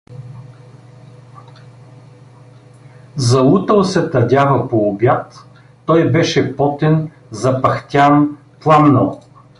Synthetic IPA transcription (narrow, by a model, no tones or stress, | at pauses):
zɐut̪əlˠsɛt̪ɐdʲavɐpoːbʲjat̪ː | ɔjbɛʃɛpɔt̪ɛn | zɐpɐxt̪ʲan | plˠamnɐlˠ